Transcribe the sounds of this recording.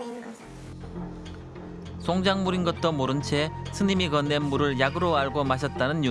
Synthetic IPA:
sʰoŋd͡ʑaŋmuɾinɡʌt̚t͈ʌmoɾɯnt͡ɕʰe̞sʰɯɲimikʌnːenmuɾɯɭjaɡɯɾoaɭɡomaɕ̬ʰʌt̚t͈anɯnju

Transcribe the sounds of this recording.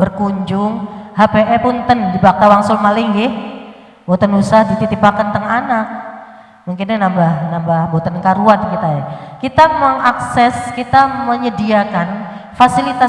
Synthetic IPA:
bərkuɲd͡ʒʊŋhapeʔɛpʊnt̪əndibak̚t̪awaŋsʊlmalɪŋɡɪh | bot̪ənusahdit̪it̪ipakant̪əŋanak̚ | muŋkɪnɲanambahnambahbot̪ənkaɾuan̚kit̪ajakit̪aməŋaksɛskit̪aməɲədiakanfasilit̪a

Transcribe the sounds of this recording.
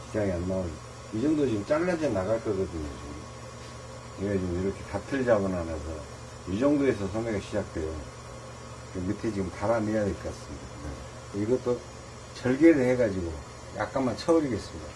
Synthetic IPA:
ki̥d͡ʑaŋianmaon | jud͡ʑʌŋdod͡ʑiɡɯmt͡ɕ͈aɭːad͡ʑenaɣaɭk͈ʌɡʌdɯɲot͡ɕiɡɯ | eɡad͡ʑiiɾʌkʰe̞tatʰɯɭd͡ʑabʌnanaɡo | jud͡ʑʌŋdoe̞sʰʌsʰʌŋɡʌɡaɕʰid͡ʑak̚t͈we̞jo | kenkɯtʰe̞d͡ʑiɡɯmpaɾanejadoik͈as͈ɯmidakɯe | iɡʌt͈o | t͡ɕʌɭɡeɾɯɦeɡad͡ʑiɡo | ja̰k͈̚anmant͡ɕʰʌbʌɾiɡe̞s͈ɯmɲida

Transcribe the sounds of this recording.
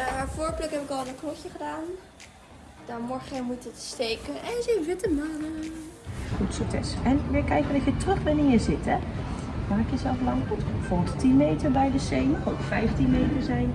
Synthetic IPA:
voːɹplɪkɦɛpɪkɑlˠəknɔkjəχədaːn | d̥amɔɹχəmutətstejkənɛnsɪvɪtəmaːnə | χutsɔtɛ̰sɛnʋɪkɛjkəndɔtjətrɵχbɛnɪnjəzɪtɛmaːkjəzɛlˠflɑŋɔtfɔttinmejtəɹbɛjdəsejnɔχowkfɛjftinmejtəɹzɛjn

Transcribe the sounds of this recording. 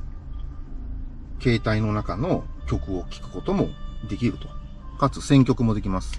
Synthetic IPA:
ke̞ːt̪aino̞nakano̞kʲo̞kɯ̟o̞kʲi̥kɯ̟̥ko̞t̪o̞mo̞d̪e̞kʲiɾɯ̟t̪o̞ | kat͡sɨsẽ̞ŋkʲo̞kɯ̟mo̞d̪e̞kʲimasɨ̥

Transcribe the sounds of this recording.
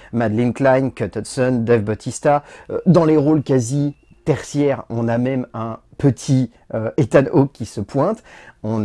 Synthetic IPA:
mad̪linklankɔt̪ɔt̪sɔnd̪ɛvbɔt̪ʰist̪ad̪ɑ̃leʁolkazi | t̪ɛʁsjɛʁɔ̃namɛmɛ̃pət̪ʰi | øet̪anokʰʲːisəpʰwɛ̃t̪ɔ̃n

